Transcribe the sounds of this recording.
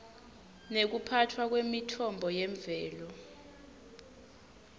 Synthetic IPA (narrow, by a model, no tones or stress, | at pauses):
nek̬upʰatʰwak̬wemitʰɔmbʱɔjɛɱb̪vɛːlɔ